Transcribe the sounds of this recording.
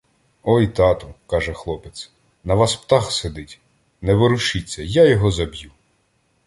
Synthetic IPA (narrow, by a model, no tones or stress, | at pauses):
ɔjt̪ɑt̪ʊkɑʒɛxlˠɔpes | nɐʋɑspt̪ɑxsed̪ɪtʲ | nɛʋɔɾʊʃit͡sʲːɐjajɔɦɔzɐbʲju